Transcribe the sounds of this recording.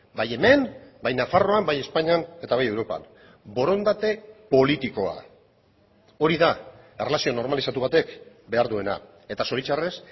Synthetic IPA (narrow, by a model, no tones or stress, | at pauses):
baje̞me̞nbajnafaro̞ambaje̞spaɲane̞t̪aβajewɾo̞pa̰n | bo̞ɾo̞nd̪at̪e̞po̞lit̪iko̞a̰ | o̞ɾiða | ere̞lasio̞no̞ɾmalisat̪uβ̞at̪e̞k | be̞aɾðue̞na̰ | e̞t̪aso̞ɾit͡ʃare̞s